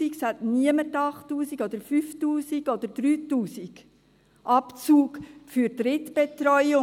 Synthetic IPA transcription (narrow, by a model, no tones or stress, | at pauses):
iksætniəmətɑχtuːsiɡɔd̪əɾfyftuːsiɡɔd̪əɾd̥̪ɾyːtuːsiɡ̥ | ʔɑpt͡suːkfyɾd̥ɾɪtb̥et̪ɾɔʏʊ